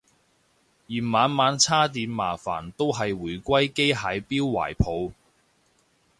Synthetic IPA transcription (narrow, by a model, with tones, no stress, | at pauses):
jiː˨˩nmaː˨˧nmaː˨˥nt͡sʰaː˥t̪̬iː˨˧nma̰ː˨˩fa̰ː˨˩nt̪o˥wɦɐ˨jwuː˨˩jkʷɐ˥jke˥jɦaː˨˧˥jpiː˥wwa̰ː˨˩jpʰo˨˧w